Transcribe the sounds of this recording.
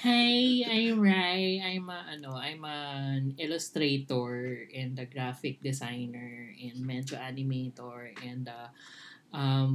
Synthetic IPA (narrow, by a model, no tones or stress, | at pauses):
hajʔajmɹajt̪ajmɐʔɐnoʔajmɐnɪlʊst̪ɾet̪oɹʔɛ̃nd̪ɐɡɾafɪk̚d̪ɛsajnɛɹɛ̃nd̪mɛnd͡ʒoʔanɪmet̪oɹʔɛ̃nd̪ɐʔɐm